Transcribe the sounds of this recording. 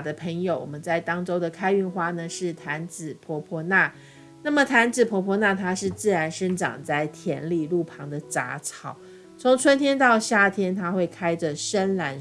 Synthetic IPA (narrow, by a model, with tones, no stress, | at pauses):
d̪ə˦pʰə˧˥ŋjo˨˧˦ʊwɔ̰˨˩mə˦nt͡sa˥˩ɪt̪ɑ˥ŋʈ͡ʂo˥ʊd̪ə˨kʰa˥ɪy˥˧nxwa˥˩nə˨ʂɻ̩˥˩t̪ʰa˧˥nt͡sɹ̩˨˩pʰwɔ˧˥pʰwɔ˧˥na˥˩ | na˥˩mə˨t̪ʰa˧˥nt͡sɹ̩˨˩pʰwɔ˧˥pʰwɔ˧˥na˥˧t̪ʰa˥ʂɻ̩˥˧t͡sɹ̩˥˩ɻa˧˦˥nʂə˥nʈ͡ʂɑ̰˨˩ŋt͡sa˥˩ɪt̪ʰjɛ̰˧˥nli˥˧lu˥˩pʰɑ˧˥ŋd̪ə˨t͡sa̰˧˥t͡sʰɑ˨˩˦ʊ | t͡sʰʊ˧˥ŋt͡sʰwə˥nt̪ʰjɛ˥nt̪ɑ˥˧ʊɕja˥˩t̪ʰjɛ˥nt̪ʰa˥xwe˥˩ɪkʰa˥ɪʈ͡ʂə˨ʂə˥nla˧˥n